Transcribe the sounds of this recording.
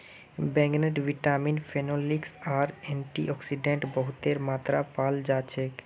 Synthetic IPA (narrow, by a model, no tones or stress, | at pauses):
bɛŋneʈbʱiʈaminfʰenoliksaɾɛɳʈiʔɔksiɖeɳʈbɔɦut̪eɾmat̪ɾapald͡ʑat͡ɕʰe